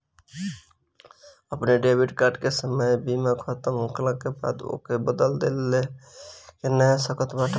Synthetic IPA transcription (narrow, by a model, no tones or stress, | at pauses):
əpneɖebiʈkaɾɖkesəməjbimekʰət̪əmũklə̃keba̰d̪o̰kebəd̪əld̪elːe | kenəsəkət̪baʈʰə